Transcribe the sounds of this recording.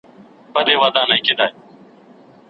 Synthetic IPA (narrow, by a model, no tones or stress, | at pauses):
pəɗ̪eːʋaːd̪ãːnãĩːkeːd̪aːeː